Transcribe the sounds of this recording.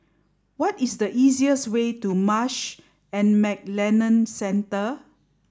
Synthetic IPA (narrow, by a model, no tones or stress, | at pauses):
wɔtisdəʔiziəswetumaʃ | ɛ̃nmɛk̚lɛnə̃nsɛ̃ntə